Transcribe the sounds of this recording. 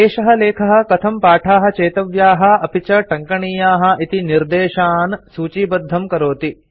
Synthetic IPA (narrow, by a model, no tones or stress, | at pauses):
eːʃɐɦɐleːkʰɐɦɐ̆kɐt̪ʰɐmpaːʈʰaːɦɐ̆t͡ʃeːt̪ɐʋjaːɦɐ̆ɐpit͡ʃɐʈɐŋkɐɳiːjaːɦɐ̆ʔit̪iniɾd̪eːʃaːnsuːt͡ʃiːbɐd̪ʱːɐmkɐɾoːt̪i